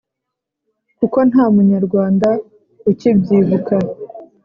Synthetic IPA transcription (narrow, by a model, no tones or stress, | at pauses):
kuko̞nhaːmuɲaɾɡwaːnda | icibɟiːvuka